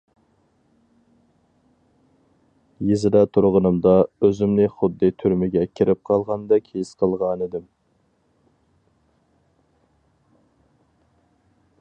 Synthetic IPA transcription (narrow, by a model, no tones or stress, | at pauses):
jezɪd̪ɛt̪ʰuɾʁənɨmd̪ɑøzɪmnɪχʊd̪ːɨt̪ʰyɾmɪɡʲɛkʲʰiɾɪp̚qʰɑlˠʁɑnd̪ɛkʲʰesqʰəlˠʁɑnid̪ɪm